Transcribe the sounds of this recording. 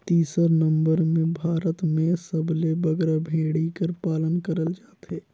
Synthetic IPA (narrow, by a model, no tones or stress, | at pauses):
t̪iːsəɾnə̃mbəɾmẽbʱaːɾət̪mẽsəblebəɡɾabʱẽːɽikəɾpaːlənkəɾəld͡ʒaːt̪ɦeː